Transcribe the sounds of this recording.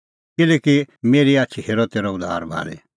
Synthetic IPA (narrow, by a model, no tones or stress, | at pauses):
kɪlɛkimeːɾiaːt͡ʃʰiɦeːɾɔt̪eːɾɔʊd̪ʱa̰ːɾbʱa̰ːlḛ